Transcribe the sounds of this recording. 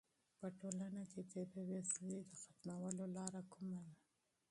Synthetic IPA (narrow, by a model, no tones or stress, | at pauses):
pəʈolanakepepeweslid̪əxat̪mawəlolɑɾakumad̪a